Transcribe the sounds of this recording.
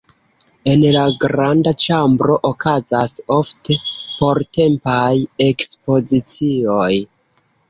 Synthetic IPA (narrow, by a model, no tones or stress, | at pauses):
e̞nlaɡɾandat͡ʃambɾo̞ʔokʰazaso̞fte̞po̞ɾte̞mpaje̞kspo̞zit͡sio̞j